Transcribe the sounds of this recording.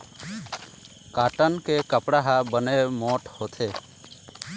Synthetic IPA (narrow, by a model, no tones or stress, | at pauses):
kaːʈənkekəpɽaɦabənemoːʈhoːt̪ʰeː